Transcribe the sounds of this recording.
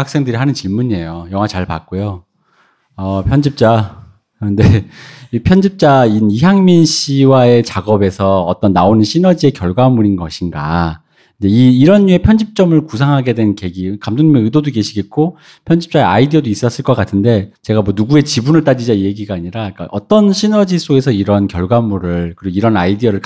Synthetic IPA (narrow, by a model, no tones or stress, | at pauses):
ak̚s͈e̞ŋdɯɾiɦanɯnt͡ɕiɭmuɲie̞jojʌŋwat͡ɕaɭpa̰k̚k͈ojo | ʌpʰjʌnd͡ʑip̚t͡ɕ͈a | ʌnde̞ipʰjʌnd͡ʑip̚t͡ɕ͈ainiɦjaŋminɕʰiwae̞t͡ɕaɡʌbe̞sʰʌʌt͈ʌnːaonɯnɕʰinʌd͡ʑie̞kjʌɭɡwaɦamuɾinɡʌɕʰinɡa̰ | ind͡ʑe̞iːɾʌnːue̞pʰjʌnd͡ʑip̚t͡ɕ͈ʌmɯɭkusʰaŋɦaɡe̞dwe̞nke̞ɡikamd͡ʑʰoŋɲimeɯdodoke̞ɕʰiɡe̞t̚k͈o | pʰjʌnd͡ʑip̚t͡ɕ͈ae̞a̰idiʌdois͈ʌs͈ɯɭk͈ʌk͈atʰɯnde̞t͡ɕe̞ɡamwʌnuɡue̞t͡ɕibunɯɭt͈ad͡ʑid͡ʑaije̞ɡiɡaːɲiɾaik͈a̰ʔʌt͈ʌnɕʰinʌd͡ʑis͈oɡe̞s̬ʰʌiɾʌnkjʌɭɡwanmuɾɯɭkɯɾiɡoiɾʌnaidiʌɾɯɭk